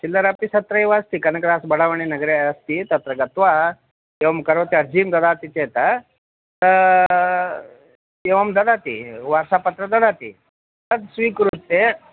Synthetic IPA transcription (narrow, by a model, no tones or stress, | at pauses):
t͡ʃilːəɾap̚t̪isɐt̪ɾɐeʋaːst̪ikɐnɐkɾasbɐɽaʋəɳ̃inɐɡɾest̪it̪ɐt̪ɾɐɡɐt̪ʋa | eʋɐmkɐɾʋot̪eɐɾd͡ʒiːmd̪ɐd̪at̪it͡ʃet̪a | t̪ə | eʋɐmd̪ɐd̪aːt̪ḭʋaɾsapɐt̪ɾɐd̪ɐd̪at̪ḭ | t̪ɐt̪sʋiːkɾut̪ːe